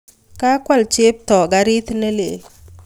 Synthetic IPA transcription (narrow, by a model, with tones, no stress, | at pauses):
ka˦kwa˦˨lt͡ʃe˦p̚tɔ˨ɡa˨ɾɪ˦t̪ne˦le˨